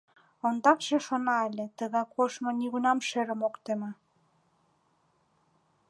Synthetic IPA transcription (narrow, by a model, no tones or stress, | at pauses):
ond̪ɑkʃĕʃonɑelʲet̪əɣɑkʰoʃmŏniɣunɑmʃeɾə̆mokt̪emɤ